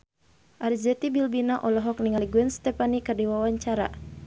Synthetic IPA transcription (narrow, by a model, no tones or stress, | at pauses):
ʔaɾizɛt̪ibilbinaʔɔlɔɦɔk̚niŋaliɡuɛnst̪ɛpanikərdiwawaɲt͡ʃaɾa̰